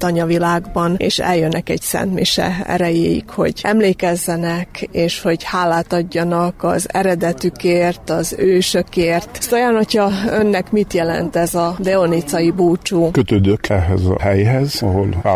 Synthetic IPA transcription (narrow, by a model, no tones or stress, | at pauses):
t̪ɒɲɒvilaːɡbɒnḛːʃɛ̰ljønːɛkɛɟsɛ̰nt̪mḭʃɛ̰ɛ̰ɾɛjeːjḭkho̞̰ɟɛmleːkɛzːɛnɛkeːʃho̞ɟhaːlːaːt̪ɒɟːɒnɒkɒ̰zɛ̰ɾɛd̪ɛt̪ykeːrt̪ɒzøːʃø̞keːrt̪st̪ojaːnho̞cʰhɒønːɛkmit̪jɛlɛ̰nt̪ɛzɒd̪ɛonit̪sɒjibuːt͡ʃuːkøt̪øːd̪økɛɦɛzɒ̰hɛjɦɛzɒɦo̞la